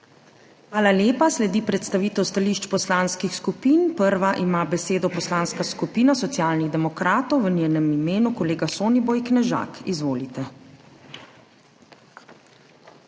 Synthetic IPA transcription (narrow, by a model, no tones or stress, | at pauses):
xʋaːlaljeːpaslɛd̪iːpɾɛt̪st̪aʋiːt̪ɛwst̪aliːʃt͡ʃpɔslaːnskixskupinpəɾʋaʔimaːbɛseːd̪ɔpɔslaːnskaskupiːnasɔt̪sjaːlniɣd̪ɛmɔkɾaːt̪ɔwʋənʲjeːnɛmimeːnukɔleːɡasoːnibɔjknɛʒa̰kizʋoːlit̪ɛ